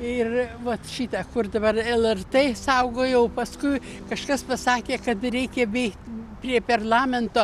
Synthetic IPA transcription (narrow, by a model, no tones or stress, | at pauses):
ɪrʋɐt̪ʃʲiːt̪ɑkʊrd̪ɐbɐrɛlˠɛrt̪esɐʊɡoːjɛʊpɐskʊɪ | kɐʃkɐspɐsɑːkʲeːkɐt̪ɾʲɛɪkʲɛbʲɛɪkt̪ʲpʲɾʲiɛpʲɐrlˠɑːmʲɛnt̪oː